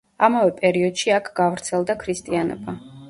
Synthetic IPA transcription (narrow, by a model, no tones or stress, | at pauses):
amavɛpʼɛɾiɔd̪ʃiakʰɡ̥avɾt̪sʰɛlˠd̪akʰɾist̪ʼianɛ̰ba